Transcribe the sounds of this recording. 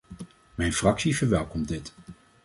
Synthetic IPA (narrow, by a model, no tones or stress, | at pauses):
mɛjnfrɑksivəɹʋɛlˠkɔmdɪt